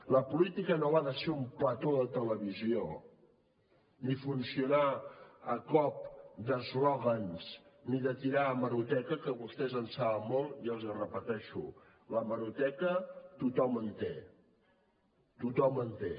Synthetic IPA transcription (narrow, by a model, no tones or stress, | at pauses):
ləpulit̪ikənoβaðəseumplət̪oðət̪ələβizio | nifunsiunaəkɔp̚d̪əzlɔɣənsniðət̪iɾaːməɾut̪ɛkəkəβust̪ɛzənsaβəmːolˠiəlˠzərəpət̪ɛʃṵ | ləməɾut̪ɛkət̪ut̪ɔmənt̪e | t̪ut̪ɔmənt̪e